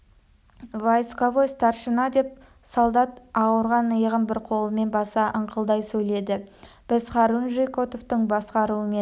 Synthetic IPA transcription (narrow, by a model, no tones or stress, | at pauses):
vajskovost̪ɑɾʃənɑd̪e̞p̚ | solˠd̪ɑt̪ɑwəɾʁɑnəjəʁəmbɪɾqʰo̞lˠəme̞nbɑsɑʔəɴqʰəlˠd̪ɑjsɵjle̞d̪ɪ | b̥ɪzχɑɾunʒejko̞t̪oft̪əɴbɑsqɑɾuəmen